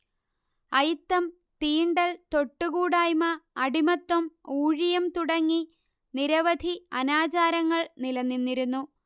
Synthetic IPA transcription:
ɐjt̪ːɐm | t̪iːɳɖɐlt̪o̞ʈːuɣuːɽaːjmɐːɽimɐt̪ːwɐmuːɻijɐmt̪uɽɐŋːi | niɾɐʋɐd̪ʱiɐnaːt͡ɕaːɾɐŋːɐɭnilɐnːinːiɾunːu

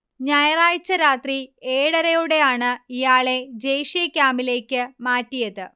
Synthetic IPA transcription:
ɲɐjɐraːjt͡ɕːɐɾaːt̪rieːɽɐɾɐjuɽe̞jaːɳɨijaːɭe̞d͡ʑejʂijɐkʲaːmile̞ːkʲːɨmaːtːijɐðɨ

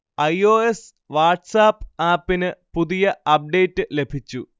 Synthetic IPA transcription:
ɐjoːes | ʋaːʈsaːpːɨaːpːinɨpuðijɐɐp̚ɖe̞jtːɨle̞bʱit͡ɕːu

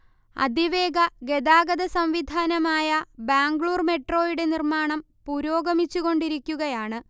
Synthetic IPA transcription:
ɐ̰d̪ʱiʋe̞ːɡɐɡe̞d̪aːɡɐd̪ɐsɐmʋid̪ʱaːnɐmaːjɐbaːŋɡɭuːrme̞ʈro̞ːjiɽe̞nirmaːɳɐm | puɾoːɡɐmit͡ɕːuɣo̞ɳɖiɾikʲːuɣɐjaːɳɨ

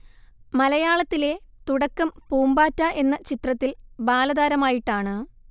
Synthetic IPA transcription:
mɐlɐjaːɭɐt̪ːile̞t̪uɽɐkːɐmpuːmbaːtːaʔe̞nːɐt͡ɕit̪rɐt̪ːilbaːlɐðaːɾɐmaːjiʈːaːɳɨ

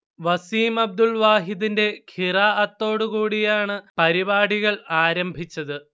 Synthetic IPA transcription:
ʋɐsiːmɐb̚d̪ulʋaːɦiðinde̞kʰiraːʔɐt̪ːo̞ːɽukuːɽijaːɳɨpɐɾibaːɽiɣɐɭaːɾɐmbʱit͡ɕːɐðɨ

